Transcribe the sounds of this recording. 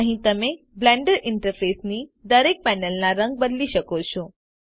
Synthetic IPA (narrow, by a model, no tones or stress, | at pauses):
əɦĩt̪əmẽ | blɛ̃ɳɖəɾɪɳʈəɾfesnid̪əɾek̚pɛnəlnaɾə̃ŋɡ̚bəd̪liʃəkot͡ʃʰõ